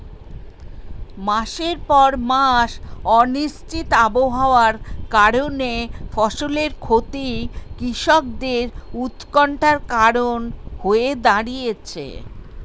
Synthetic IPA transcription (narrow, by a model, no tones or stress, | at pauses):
maʃeɾpɔɾmaʃɔniʃt͡ɕit̪aboɦaoaɾkaɾonefɔʃoleɾkʰot̪ikɾiʃɔk̚d̪eɾut̪kɔɳʈaɾkaɾonhoed̪aɾijet͡ɕʰḛ